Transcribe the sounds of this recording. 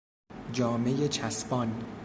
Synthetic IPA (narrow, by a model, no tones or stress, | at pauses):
d͡ʒɒːme̞jet͡ʃʰæsbɒn